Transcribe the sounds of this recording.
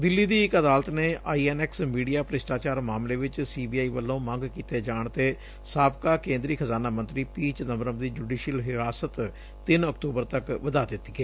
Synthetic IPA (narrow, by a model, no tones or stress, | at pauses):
d̪ɪlːiːd̪iːɪkəd̪aːlət̪neːʔaːiːɛːnɛːksmiːɖijaːpəɾɪsʈaːt͡ʃaːɾmaːmleːʋɪt͡ʃsiːbiːaːiːʋəlːõːmə̃ŋɡkiːt̪eːd͡ʒaːɳt̪eː | saːbkaːkẽːnd̪ɾiːkʰəzaːnaːmə̃nt̪ɾiːpiːt͡ʃnəmɾəmd̪iːd͡ʒuːɖiːʃəlɦɪɾaːsət̪ | t̪ɪnəkʈ̪uːbəɾt̪əkʋəd̪aːd̪ɪt̪ːiːɡeː